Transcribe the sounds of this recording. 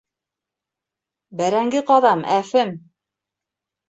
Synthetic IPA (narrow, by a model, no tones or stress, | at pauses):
bæɾæŋɡɘqɑðɑmæfɘm